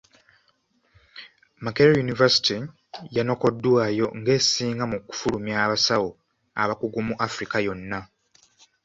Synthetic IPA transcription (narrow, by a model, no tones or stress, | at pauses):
makeɾojunivasi̥ti | jano̞ko̞dːwaːjo̞ŋɡe̞ːsiːŋɡamuku̥fulumjaːβasawo | a̰βakuɡumuʔafɾikajo̞nːa